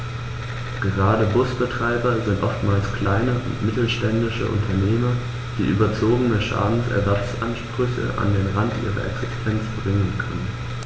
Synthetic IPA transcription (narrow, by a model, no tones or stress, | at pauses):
ɡ̥əʁaːdəbʊsb̥ətʁ̥aɪbɐzɪntʔɔftmaːlskʰl̥aɪnəʔʊ̰ntmɪtl̩ʃtɛndɪʃə̰ʔʊ̰ntʰɐneːmɐ | d̥ḭːʔy̰ːbɐt͡soːɡənəʃa̰ːdn̩sʔɛ̰ɐzat͡sʔanʃpʁ̥ʏçə̰ʔa̰ndeːnʁantʔḭːʁɐ̰ʔɛ̰ksɪstʰɛnt͡sb̥ʁɪŋənkʰœ̰nən